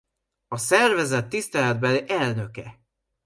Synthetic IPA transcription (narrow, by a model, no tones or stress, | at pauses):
ɒsɛrvɛzɛt̪ːist̪ɛlɛd̪̚bɛløʔɛlnø̞kɛ